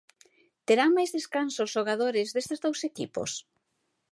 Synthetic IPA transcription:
t̪eɾaŋmajzðeskansozʃoɣ̞aðoɾɪzðest̪ezðowsekḭpo̰s

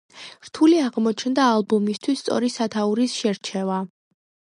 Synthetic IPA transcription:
ɾt̪ʰuliaʁmɔt͡ʃʰnd̪aːlˠbɔmist̪ʰwist̪sʼɔ̰ɾisat̪ʰauɾisʃɛɾt͡ʃʰɛva

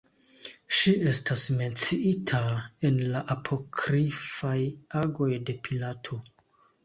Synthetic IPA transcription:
ʃie̞stasme̞nt͡siitʰae̞nlaʔapʰo̞kʰɾifajaɡo̞jde̞pʰilatʰo

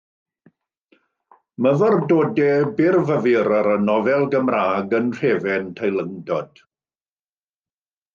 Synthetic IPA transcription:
məvərdoːdɛbɪrvəvɨɾaɾənɔvɛlˠɡəmraːɡənr̥ɛvɛntʰajlˠəŋdɔd̥

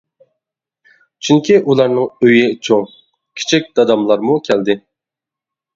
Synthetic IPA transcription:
t͡ʃʰyŋkʲʰiʔulˠɑɾnɨŋøjɪt͡ʃʰoŋ | kʲʰi̥t͡ʃʰik̚ʲd̪̥ɑd̪ɑmlˠɑɾmukʲʰɛld̪ɪ

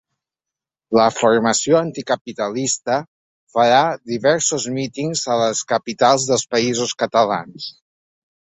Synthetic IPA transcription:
ləfurməsjoənt̪ikəpit̪əlist̪ə | fəɾaðiβɛɾsuzmit̪iŋzələskəpit̪alˠzðəlˠspəizuskət̪əla̰ns

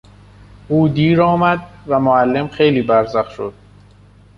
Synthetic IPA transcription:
ʔuːd̪iːɾɒːmæd̪̚væmoælːe̞mxe̞jliːbæɾzæxʃo̰d̪̥̚

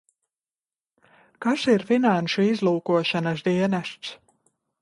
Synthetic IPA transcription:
kasiɾfinanʃuizlˠuːkuɔʃanas̬d̪iɛnæʃt̪s

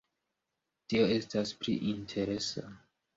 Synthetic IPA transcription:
tio̞e̞stasplḭʔintʰe̞ɾe̞sa̰

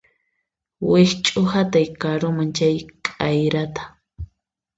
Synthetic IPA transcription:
wɪht͡ʃʼʊhat̪ajkaɾʊmaŋt͡ʃajkʼajɾat̪ḁ

